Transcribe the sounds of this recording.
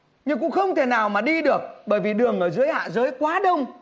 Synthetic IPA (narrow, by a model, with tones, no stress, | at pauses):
ɲɨ˧ŋkʊ̰˧˥ŋ͡mxə˧wŋ͡mt̪ʰe˧˩naː˨˩wmaː˨˩ɗi˧ɗɨ˨˩ək̚ɓəː˧˩jvi˨˩ɗɨ˨˩əŋʔəː˧˩zɨ̰˨˧˦əjha̰ː˧˨zəː˨˦jkwaː˨˦ɗə˧wŋ͡m